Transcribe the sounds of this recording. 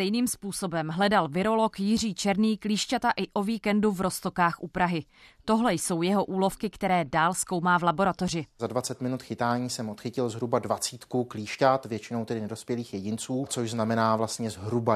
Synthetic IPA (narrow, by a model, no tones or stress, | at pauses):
st̪ɛjniːmspuːso̞bɛmɦlɛdalvɪɾo̞lo̞kjɪr̝iːt͡ʃɛɾniːkliːʃcat̪aʔɪʔo̞viːkɛnduvɾo̞st̪o̞kaːxʔupɾaɦɪ | t̪o̞ɦlɛjso̞wjɛɦo̞ʔuːlo̞fkɪkt̪ɛɾɛːdaːlskowmaːvlabo̞ɾat̪o̞r̝ɪzadvat͡sɛt̪mɪnut̪xɪt̪aːɲiːsɛmʔot̪xɪcɪlzɦɾubadvat͡siːt̪kukliːʃcat̪vjɛt͡ʃɪnowt̪ɛdɪnɛdo̞spjɛliːxjɛɟɪnt͡suːt͡soʒznamɛnaːvlast̪ɲɛzɦɾuba